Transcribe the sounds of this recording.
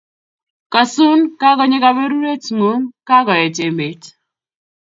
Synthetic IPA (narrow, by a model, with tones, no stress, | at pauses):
ka˨su˦nka˦kɔ˦ɲe˦ka˦be˦ɾu˦ɾe˦tŋu˨˦nka˦kɔ˨ɛ˨t͡ʃe˨me˨t